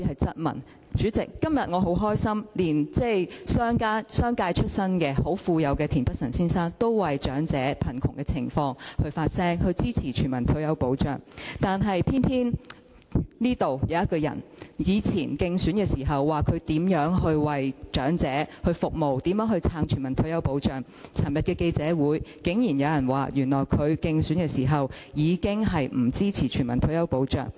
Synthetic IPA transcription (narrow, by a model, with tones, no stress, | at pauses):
i˨˧˥hɐ˨jt͡sɐ˥t̚mɐ̰˨˩n | t͡ʃyː˨˥t͡sɪ̰˨kːɐ˥mjɐ˨t̚ŋɔː˨˧ɦo˨˥wɦɔː˥jsɐ˥mliː˨˩nt͡sɛ˥jsœː˥ŋkaː˥sœː˥ŋkaː˧jt͡ʃʰɵ˥t̚sɐ˥nkɛː˧ho˨˥wfuː˧jɐ˨˧wkɛː˧t̪ʰiː˨˩npɐ˥k̚sɐ˨˩nsiː˥nsaː˥nt̪o˥wwɐ˨jt͡ʃœː˨˥ŋt͡sɛː˨˥pʰɐ˨˩nkʰʊ˨˩ŋkɛː˧t͡sʰɪ̰˨˩ŋfɔː˧ŋhɵ˧ɥfaː˧t̚sɛː˥ŋhɵ˧ɥt͡siː˥t͡sʰiː˨˩t͡ʃʰyː˨˩mɐ˨˩nt̪ʰɵ˨˧˥jɐ˨˧wpo˨˥wt͡ʃœ̰ː˨˩ŋt̪aː˨nɦɐ˨jpʰiː˥npʰiː˥n | niː˥t̪o˨wjɐ˨˧wjɐ˥t̚kɔː˧jɐ̰˨˩njiː˨˧t͡sʰiː˨˩nkɪ˧ŋsyː˨˥nkɛː˧siː˨˩ɦɐ˨wːaː˨kʰɵ˨˧ɥt̪iː˨˥mjœː˨˥ŋɦɵ˧ɥwɐ˨˩jt͡ʃœː˨˥ŋt͡sɛː˨˥hɵ˧ɥfʊ˨k̚mo˨wt̪iː˨˥mjœː˨˥ŋɦɵ˧ɥt͡sʰaː˧ŋt͡ʃʰyː˨˩mɐ˨˩nt̪ʰɵ˨˥ɥjɐ˨˥wpo˨˥wt͡ʃœː˨˩ŋ | t͡sʰɐ˨˩mjɐ˨t̚kɛː˧ke˧jt͡sɛː˨˥wuː˨˥jkɪ˨˥ŋjiː˨˩njɐ˨˧wjɐ˨˩nwa̰ː˨˩jyː˨˩nlɔː˨˩jkʰɵ˨˧ɥkɪ˧ŋsyː˨˥nkɛː˧siː˨˩ɦɐ˨wjiː˨˧kɪ˥ŋɦɐ˨jm̩˨˩t͡siː˥t͡sʰiː˨˩t͡ʃʰyː˨˩mɐ˨˩nt̪ʰɵ˨˧˥jɐ˨˧˥wpo˨˥wt͡ʃœ̰ː˨˩ŋ